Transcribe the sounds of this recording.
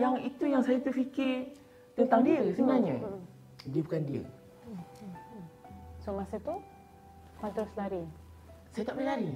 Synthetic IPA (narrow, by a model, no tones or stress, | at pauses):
jaŋit̪ujaŋsajat̪ufikɪr | t̪ənt̪aŋdiəsəbənaɲə̰ | diəbukandiə̰ | somasət̪u | mat̪ɾoslaɾi | sajat̪aʔpnəlaɾi